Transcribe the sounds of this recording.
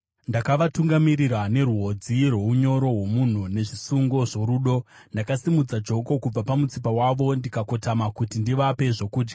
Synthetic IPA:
ndakaʋatuŋɡamirirane̞ɾuɦo̞d͡zirwe̞uɲo̞ɾo̞ɦwo̞mun̤une̞ʐisuŋɡo̞ʐo̞ɾuːɗo̞ndakasimud͡zad͡ʒo̞ko̞kub͡vapamut͡sipawaʋo̞ndikako̞tamakutindiʋape̞ʐo̞kuːd͡ʒɡa

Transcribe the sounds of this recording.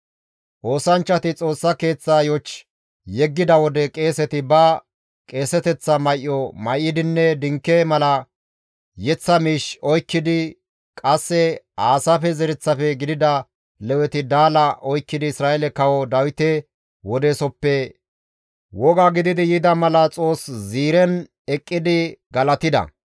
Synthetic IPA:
ʔo̞ːsɐnt͡ʃːɐt̪ɪt͡sʼo̞ːsːɐke̞ːt͡sːaːjɔt͡ʃ | jɛɡːɪd̪ɐwɔd̪ɛkʼe̞ːsɛt̪ɪbɐ | kʼe̞ːsɛt̪ɛt͡sːɐmɐjʔːɔmɐjʔːɪd̪ɪnːɛd̪ɪŋkːemɐlɐ | jɛt͡sːɐmiːʃɔjkːɪd̪ɪ | kʼɐsːɛ | aːsafɛzɛɾɪt͡sːɐfɛɡɪd̪ɪd̪ɐ | lɛwɛt̪ɪd̪aːlɐʔɔjkːɪd̪ɪɪsɾaːɛlɛkɐwɔd̪ɐwɪt̪ɛ | wɔd̪esɔpːɛ | wɔɡaɡɪd̪ɪd̪ɪjɪd̪ɐmɐlɐt͡sʼo̞ːsziːɾɛn | ɛkʼːɪd̪ɪɡɐlɐt̪ɪd̪ɐ̰

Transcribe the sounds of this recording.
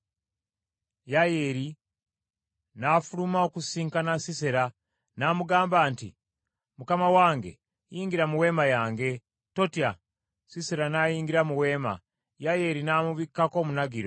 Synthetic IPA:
jajeɾi | nafulumaokusiːŋkanasiseɾa | naːmuɡaːmbaːntḭ | mukamawaːŋɡe̞̰ | jiːŋɡiɾamuwe̞ːmajaːŋɡe̞ | totja | siseɾanaːjiːŋɡiɾamuwe̞ːma̰ | jajeɾinaːmuβikːako̞ːmunaɡiɾo

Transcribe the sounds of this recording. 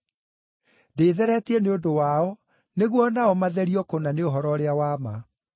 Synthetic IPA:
deːðɛɾɛtiɛneondowaɔ | neɣwɔnaɔmaðɛɾiɔkonaneoɦɔɾɔɾeawama

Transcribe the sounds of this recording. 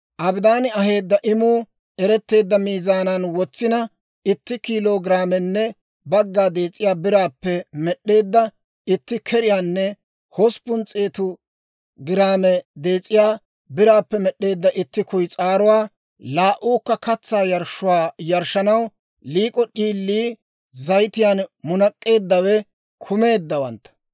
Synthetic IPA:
ʔɐbd̪aːnɪɐhe̞ːd̪ːɐʔɪmuː | ɛɾɛt̪ːe̞ːd̪ːɐmiːzaːnɐnwɔt͡sːɪnɐ | ɪt̪ːɪkiːloːɡɪɾaːmɛnːɛ | bɐɡːaːd̪e̞ːt͡sʼːɪjaːbɪɾaːpːɛmɛɗːe̞ːd̪ːɐ | ɪt̪ːɪkʰɛɾɪjaːnːɛ | hɔspʊnt͡sʼeːt̪ʊ | ɡɪɾaːmɛd̪e̞ːt͡sʼːɪjaː | bɪɾaːpːɛmɛɗːe̞ːd̪ːɐʔɪt̪ːɪkʊjt͡sʼaːɾʊwaː | laːʔuːkːɐkɐt͡sːaːjɐɾʃʊwaːjɐɾʃɐnɐw | liːkʼɔɗiːlːiː | zɐjt̪ɪjaːnmʊnɐkʼːe̞ːd̪ːɐwɛ | kʰʊme̞ːd̪ːɐwɐ̰nt̪ːɐ̥

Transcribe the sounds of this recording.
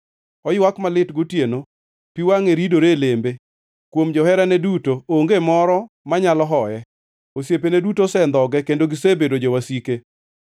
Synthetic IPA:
ɔjwakmalɪtɡotjeno | piwaŋeɾidoɾelembe | kwomd͡ʒɔhɛɾanɛdutooŋɡemɔɾɔ | maɲalɔɦɔjɛ | osjep̬enedutosɛnd̪ɔɡɛkendoɡɪsebedod͡ʒowasike

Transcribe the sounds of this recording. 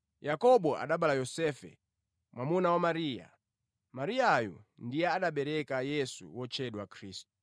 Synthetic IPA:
jakɔɓɔʔa̰ɗaɓalajɔsɛfɛ̰ | mwʔamunawamaɾija̰ | maɾijajɔ̰ndijɛaɗaɓɛɾɛkajɛsṵwɔt͡ʃʰɛɗwakʰɾiːstu̥

